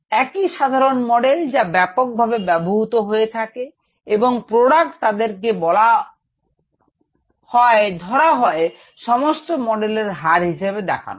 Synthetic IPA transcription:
ɛkiʃad̪ʱaɾonmɔɖeld͡ʑabɛpok̚bʱabebɛboɦut̪oɦoet̪ʰake | eboŋpɾoɽak̚ʈt̪ad̪eɾk̬ebɔla | hɔed̪ʱɔɾaɦɔe | ʃɔmosʈomɔɖeleɾɦaɾɦiʃeβed̪ɛ̰kʰa̰no

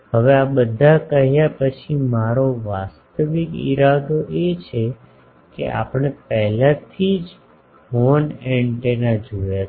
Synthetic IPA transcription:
ɦəʋeabəd̪ʱakəɦjapət͡ʃʰimaɾoʋast̪əʋikḭɾad̪oʔet͡ʃʰe | kḛʔa̰pəɽ̃epɛɦlat̪ʰid͡ʒ | ɦonɛɳʈenad͡ʒoja

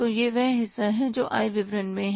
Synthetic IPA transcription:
ojeʋɛɦɦɪsːaɦɛ̃d͡ʒoːʔa̰ːiʋɪʋɾənmẽɦ

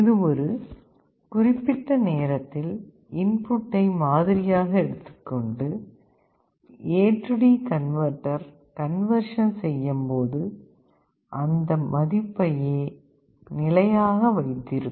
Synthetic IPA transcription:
ɪðɯɔɾɯ | kʊrɪpːɪʈːɐneːɾɐt̪ːɪl | ɪnpʊʈːɐɪmaːðɪɾɪjaːɣɐɛɽɯt̪ːɯ̥kːɔɳɖɯ | eːʈrɯɽikɐnʋɐɾʈːɐɾ | kɐnʋɐɾʂɐnsɛjːɐmpoːðɯ | ʔɐnd̪ɐmɐðɪpːɐjeː | nɪlɐjaːɣɐʋɐɪt̪ːɪɾɯ

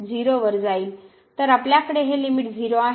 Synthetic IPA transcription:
d͡ziɾoʋəɾd͡zaiːl | t̪əɾapljakəɽeɦelimiʈd͡ziɾoa

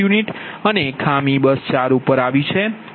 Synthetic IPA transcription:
uniʈənekʰamibəst͡ʃaɾupəɾaʋit͡ʃʰe

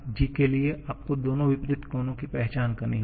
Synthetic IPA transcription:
d͡ʒɪkelieʔaːp̚kod̪oːnõʋɪpɾɪt̪koːnõkipɛɦt͡ʃaːnkɐɾniɦ

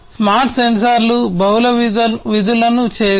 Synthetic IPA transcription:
smaːɾʈsensɐɾlubɐwlɐʋid̪ulɐnut͡ʃɛːɐ

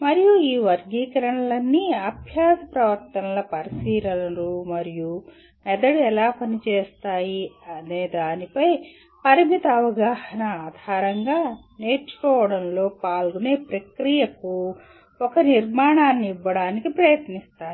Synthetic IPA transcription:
mɐɾijuiːʋɐɾɡiːkɐɾɐɳɐlɐnːiɐbʱjaːd̪ɐpɾɐʋɐɾt̪ɐnɐlɐpɐɾisiːɾɐnɐɾumɐɾiju | ɛd̪ɐɽuɛlaːpɐnit͡ʃeːst̪aːjiɐneːd̪aːnipɐj | pɐɾimit̪ɐɐʋɐɡaːhɐnɐaːd̪ʱaːɾɐŋɡaː | ne̞ːɾt͡ʃu̥kɔːʋɐɽɐnlo̞ːpaːlɡune̞ːpɾɐkɾijɐku | ɔkɐniɾmaːɳaːnːiiʋːɐɽaːnikipɾɐjɐt̪nist̪aːji

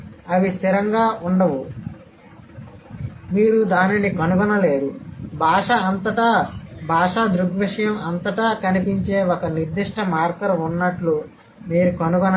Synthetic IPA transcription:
ɐʋist̪iɾɐŋɡaːʔuɳɖɐʋu | miːɾud̪aːninikɐnuɡɐnɐle̞ːɾubʱaːʂɐːnt̪ɐʈɐbʱaːʂad̪ɾuɡʋiʂɐjɐmɐnt̪ɐʈɐkɐnipiɲt͡ʃe̞ːokɐniɾd̪iʂʈɐmaːɾkɐɾɐunːɐʈlu | miːɾukɐnuɡɐnɐ

